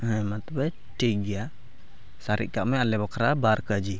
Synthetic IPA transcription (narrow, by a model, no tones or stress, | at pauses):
ɦãmat̪bɛ | ʈiɡija | saɾḭʔ̚kaʔmɛalɛbɔkɾabaɾkəd͡ʒi